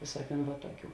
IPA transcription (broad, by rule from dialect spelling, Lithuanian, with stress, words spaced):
ˈʋʲeːsuɔˌkʲuːn ʋɐ ˈtuɔˌkʲuː